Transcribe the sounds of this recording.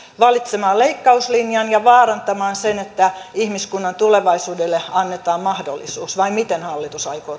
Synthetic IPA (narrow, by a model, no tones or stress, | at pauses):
ʋɑlit̪semɑːleikːɑuslinjɑnjɑʋɑːrɑnt̪ɑmɑːnsenet̪ːæihmiskunːɑnt̪uleʋɑisuːdelːeɑnːet̪ɑːmmɑhdo̰lːˑḭsuːsʋɑimit̪enhɑlːit̪usɑikoː